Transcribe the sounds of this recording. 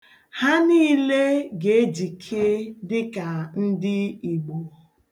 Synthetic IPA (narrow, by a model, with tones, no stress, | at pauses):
ha˦ni˦le˦ɡe˨˦d͡ʒi˨kʰe˦dɪ˦ka˨n̩˦dɪ˦i˨ɡ͡bo˨